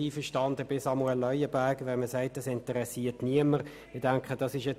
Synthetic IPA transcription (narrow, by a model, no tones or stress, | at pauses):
iːfəʃtɑnd̪əbɪsɑmuɛlːœʏəbæɡʋɛnməsæɪt̚ɑsɪntəɾɛsiːətniəməʁ | ɪd̥æŋkχəd̥ɑsɪʃɛ